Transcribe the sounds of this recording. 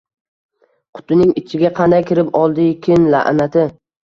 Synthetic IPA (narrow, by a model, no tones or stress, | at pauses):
qʰʊ̥t̪ɪnɪŋɪt͡ʃʰɪɡʲaqʰɑnd̪ajkʲʰɪɾɪpɒlˠd̪ɪkʲʰɪnla̰ʔnat̪ʰɪ